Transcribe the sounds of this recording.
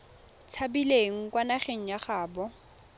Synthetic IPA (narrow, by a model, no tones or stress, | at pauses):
t͡sʰabileŋ̩kwanaχeŋ̩jaχaːbɔ